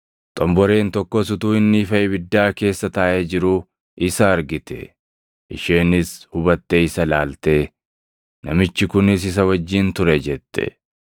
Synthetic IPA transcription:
t̪ʼɔmbɔɾe̞ːnt̪ɔkːɔsʊt̪uːɪnːɪfɐʔɛbɪd̪ːaːke̞ːsːɐt̪ɐːʔed͡ʒɪɾʊ | ɪsɐːɾɡɪt̪ɛ̰ | ʔɪʃe̞ːnɪshʊbɐt̪ːeɪsɐlaːlt̪eː | nɐmɪt͡ʃːɪkʊnɪs̬ɪs̬ɐwɐd͡ʒːɪnt̪ʊɾɛd͡ʒɛt̪ːɛ̰

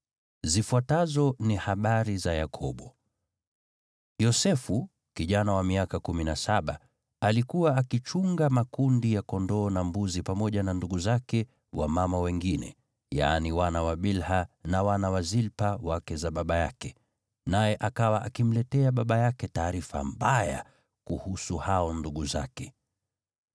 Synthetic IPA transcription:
zifuatazɔnihaɓaɾizaja̰kʰɔɓɔ | jɔsɛfu | kiʄanawamiakakuminasaɓa | alikuwaːkit͡ʃuŋɡamakundijakɔndɔːnambuzipamɔʄananduɡuzakɛ | wa̰mamawɛŋɡinɛ̰ | ja̰ːniwanawaɓilhanawanawazilpawakɛzaɓaɓajakɛ | najɛʔakawaʔakim̩lɛtɛaɓaɓajakɛtaːɾifa̰mbaja̰ | kuhusuhaɔnduɠuzakɛ

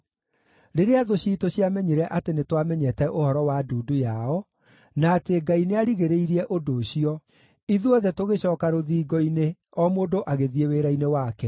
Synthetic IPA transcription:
ɾeɾeaðoɕiːtoɕiamɛɲeɾɛʔatenetwamɛɲɛtɛʔohɔɾɔwaduːdujaɔ | naːteɡaineaɾiɣeɾeiɾiɛʔodoːɕiɔ | iðuɔðɛtoɣeɕɔːkaɾoðiːɡɔine | ɔmoːdoʔaɣeðieweɾainewaːkɛ

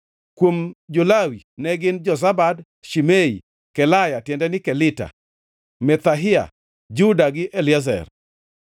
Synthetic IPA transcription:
kwomd͡ʒolawinɛɡɪnd͡ʒɔs̬abad | ʃimei | kɛlajatjɛndɛnɪkɛlɪta̰ | mɛt̪aɦɪa̰ | d͡ʒudaɡɪʔɛlɪaz̬ɛ̰r

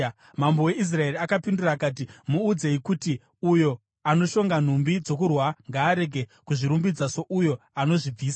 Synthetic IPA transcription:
mambo̞we̞ʔis̬rae̞ɾiakapinduraːkaːt̬imuːd͡ze̞ikuti | ujo̞ | ano̞ʃo̞ŋɡan̤umbid͡zo̞kurwaŋɡaːɾe̞ɡʱe̞kuʐiɾumbid͡zaso̞ʔujo̞ano̞ʐib͡viːsa

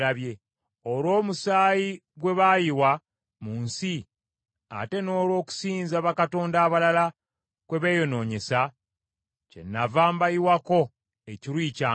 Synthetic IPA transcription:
aβje | olwo̞ːmusaːji | ɡwe̞βajiwa | muːnsi | a̰te̞no̞ːlwo̞ːku̥siːnzaβakato̞ːndaːβalala | kwe̞βe̞ːjo̞no̞ːɲe̞sa | ce̞̰nːavaːmbajiwako̞ | eciɾwiːcaː

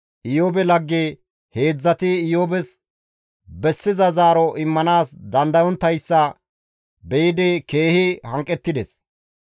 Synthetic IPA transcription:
ʔɪjoːbɛlɐɡːe | he̞ːd͡zːɐt̪ɪːjoːbɛs | bɛsːɪzɐzaːɾɔʔɪmːɐnaːsd̪ɐnd̪ɐjɔnt̪ːɐjsːɐ | bɛjɪd̪ɪke̞ːhɪhɐŋkʼɛt̪ːɪd̪ɛs

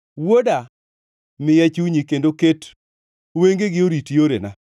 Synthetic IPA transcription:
woda | mɪjɛt͡ʃuɲikendoket | weŋɡeɡɪoɾitjoɾḛna

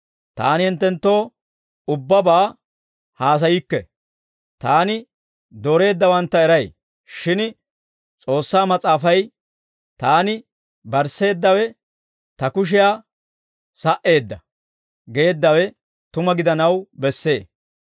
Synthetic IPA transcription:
t̪a̰ːnɪhɪnt̪ːɛnt̪ːo̞ː | ʊbːɐbaː | haːs̬ɐjɪkːɛ | t̪aːnɪ | d̪oːɾe̞ːd̪ːɐwɐnt̪ːɐɛɾɐj | ʃɪn | t͡sʼo̞ːsːaːmɐt͡sʼaːfɐj | t̪aːnɪ | bɐɾsːe̞ːd̪ːɐwɛ | t̪ɐkʊʃ̬ɪjaː | sɐʔe̞ːd̪ːɐ | ɡe̞ːd̪ːɐwɛ | t̪ʊmɐɡɪd̪ɐnɐwbɛsːe̞ː

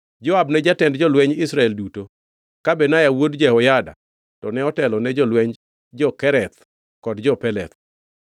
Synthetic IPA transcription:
d͡ʒɔabnɛd͡ʒatɛndd͡ʒɔlwɛɲɪsɾaɛlduto | kabɛnajawodd͡ʒɛhɔjada̰ | tɔnɛɔtɛlɔnɛd͡ʒɔlwɛɲ | d͡ʒɔkɛɾɛt̪ | kɔdd͡ʒɔpɛlɛt̪̚

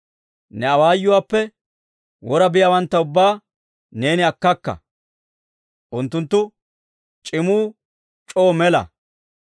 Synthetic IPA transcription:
nɛɐwaːjːʊwaːpːɛ | wɔɾɐbɪjawɐnt̪ːɐʊbːaː | ne̞ːnɪɐkːɐkːɐ̰ | ʔʊnt̪ːʊnt̪ːʊ | t͡ʃʼɪmuː | t͡ʃʼo̞ːmɛlɐ̰

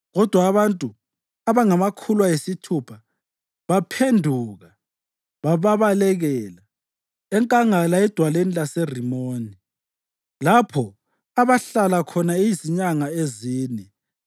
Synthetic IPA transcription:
ɣɔd̥ʱwaːβantʼu | aβaŋamakʰulwajesitʰupʰa | βapʰendʱuːɣa | βaβaβalɛɣɛːla | ɛŋkʼaŋalaɛd̥ʱwalenilaserimoːni | lapʰɔ | aβaɬalakʰɔnaejiziɲaŋaeziːnɛ

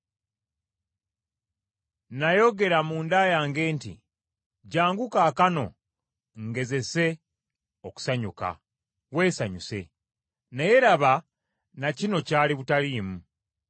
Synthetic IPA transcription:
najo̞ɡe̞ɾamuːndajaːŋɡe̞ːntḭ | ɟaːŋɡukaːkano̞̰ | ŋɡe̞ze̞se̞ | oku̥saɲuka̰ | we̞ːsaɲuse̞̰ | naje̞ɾaβa | nacino̞caːliβutaliːmu

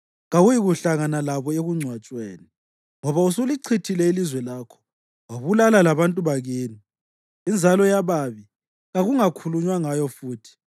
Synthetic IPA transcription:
ɣaɣujiɣuɬaɣanalaβɔeɣuŋ͡ǀʱwat͡ʃʼweːni | ŋɔβausuliǀʰitʰilɛilizwɛlaːkʰɔ̥ | waβulalalaβantʼuβaɣeːni | ind͡zʱalɔjaβaːβi | ɣaɣuŋakʰuluɲwaŋajɔfuːtʰi̥

